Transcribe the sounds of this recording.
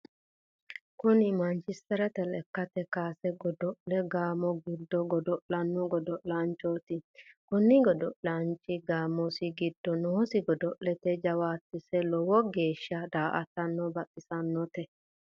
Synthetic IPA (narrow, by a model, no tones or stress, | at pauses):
kʊnɪmɐnt͡ʃɪst̪ɛɾɛt̪ɛlɛkːɐt̪ɛkaːsɛɡɔd̪ɔʔlɛɡaːmɔɡɪd̪ːɔɡɔd̪ɔʔlɐnːɔɡɔd̪ɔʔlaːnt͡ʃːoːt̪ɪkʊnːɪɡɔd̪ɔʔlaːnt͡ʃːɪɡaːmɔsɪɡɪd̪ːɔnoːsɪɡɔd̪ɔʔlɛt̪ɛd͡ʒɐwaːt̪ːɪsɛlɔwɔɡeːʃːɐd̪aːʔɐ̰t̪ːɐnːɔbɐtːɪsɐnːɔt̪ɛ